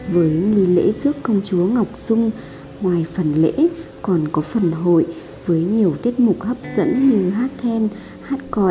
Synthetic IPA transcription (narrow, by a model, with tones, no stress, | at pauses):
vəː˨˦jŋi˧lḛ˧˥zɨ˦˥əkːə˧wŋ͡mt͡ɕu˨˦əŋa˨˩wk͡p̚zʊ˧ŋ͡m | ŋwaː˨˩jfə˨˩nlḛ˧˥kɔ˨˩nkɔ˨˦fə˨˩nɦo̰˧˨j | vəː˨˦jɲi˨˩əwt̪i˦˥ət̚mʊ˨˩k͡p̚hə˦˥p̚zə̰˧˥nɲɨ˧ɦaː˦˥t̚kɛ˧n | haː˦˥t̚kɔ˧